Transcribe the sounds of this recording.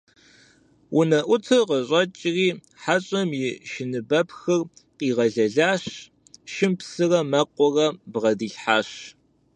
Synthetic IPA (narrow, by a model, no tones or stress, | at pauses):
wʔʊnɐʔʷʊtʰɨrqəɕʼɐt͡ʃʼriː | ħaɕʼɐmjɪʃɪnɨbɐpxɨrqiːʁɐɮɐɮaːɕ | ʃɪmpsɨrɐmɐqʷʼɔrɐbʁɐdiːɬħaːɕ